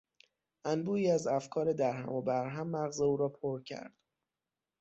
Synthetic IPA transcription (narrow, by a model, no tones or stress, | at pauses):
ʔænbuːiːæzæfkʰɒːɾed̪æɾɦæ̰mobæɾɦæmːæɣzeuːɾɒːpʰoɾcʰæ̰ɾd̪̥